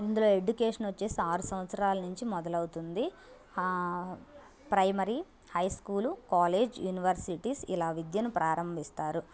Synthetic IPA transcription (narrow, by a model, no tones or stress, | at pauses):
ind̪ulo̞ːe̞ɖukeːʂɐnʋɐt͡ʃːe̞ːsiaːɾusɐmɐt̪sɐɾaːlɐnuɲt͡ʃimɔd̪ɐlɐwut̪und̪i | pɾɐjmɐɾi | hɐjskuːlukaːleːd͡ʒjuːniʋɐɾsiʈiːsilaːʋid̪jɐnupɾʔaːɾɐmbʱist̪aːɾu